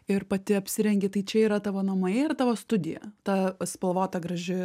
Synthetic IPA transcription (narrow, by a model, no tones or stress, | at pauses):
ɪrpɐt̪ʲɪɐpʲsʲɪɾʲɛŋʲɡʲɪt̪ɐɪt͡ʃʲɛiːɾɐt̪ɑːʋoːnɐmojɛɪrt̪ɑːʋoːst̪ʊd̪ʲɪjɛ̰t̪ɑspɐlˠʋoːt̪ɐɡɾɐʒʲɪ